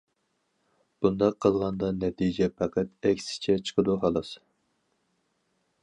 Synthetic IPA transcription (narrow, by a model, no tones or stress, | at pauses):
b̥und̪ɑqʰːəlˠʁɑnd̪ɑnɛt̪ʰijd͡ʒɛpʰɑqæt̪ɛkʲsɪ̥t͡ʃʰɛt͡ʃʰə̥qʰəd̪uɦɑlˠɑs